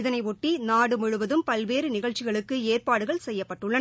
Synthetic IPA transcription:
ðɐnɐɪɔʈːinaːɽɯmʊɻɯʋɐðɯmpɐlʋeːɾɯnɪɣɐɭt͡ʃːɪɣɐɭɯkːɯeːrpaːɽɯɣɐɭsɛjːɐpːɐʈːɯɭːɐn

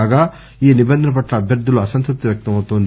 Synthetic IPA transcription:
ɡɐ | iːnibɐnd̪ʱɐnɐp̬ɐʈlɐːbʱjɐɾd̪ːuluɐsɐnt̪ɾup̚t̪iʋjɐk̚t̪ɐmɐwt̪oːnd̪

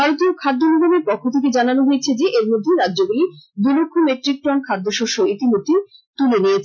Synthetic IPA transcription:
bʱaɾot̪iokʰad̪ʱːonobomeɾpɔkʰːot̪ʰek̬ed͡ʑananoɦojet͡ɕʰed͡ʑeʔeɾmod̪ʱːeɾadːʑoɡulid̪ulokʰːumeʈɾik̚ʈɾɔnkʰad̪ʱːoʃoʃoit̪imod̪ʱːit̪ulenijet͡ɕʰ

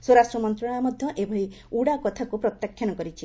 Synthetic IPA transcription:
swoɾasʈɾɔmɔnt̪ɾɔɽ̃amɔd̪ʱjɔʔebʱɔi | uɽakɔt̪ʰakupɾɔt̪jakʰːjanɔkɔɾit͡ʃʰi

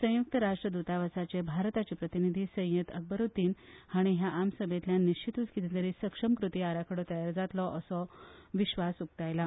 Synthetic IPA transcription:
sə̃juk̚t̪əɾaʂʈɾəd̪ut̪aʋəsat͡ɕebʱaɾt̪at͡ɕepɾət̪inid̪ʱiːsə̃j̃jət̪ə̰k̚bəɾut̪iːnhaɽ̃iɦjaʔamsəbʱẽt̪ljanːiɕt͡ɕit̪ut͡skit̪ʰẽt̪əɾiːsəkʂəmkɾut̪iaɾakʰəɽɔt̪əjaɾd͡zat̪lɔʔəsɔʋiɕʋasuk̚t̪ajla

